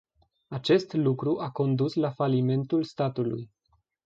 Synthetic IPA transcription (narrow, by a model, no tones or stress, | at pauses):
at͡ʃe̞st̪lukɾuʔako̞nd̪uslafalime̞nt̪ulst̪at̪ulṵj